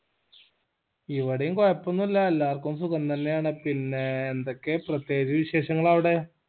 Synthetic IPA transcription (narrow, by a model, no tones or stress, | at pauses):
iʋɐɽejuŋkojɐpːonːuilːɐelːaːrkumsuɣɐnt̪ɐnːe̞jaːɳɨpinːeːnd̪okːeprɐt̪jeːd͡ʑɐʋiɕe̞ːɕɐŋːɐɭɐʋiɽe̞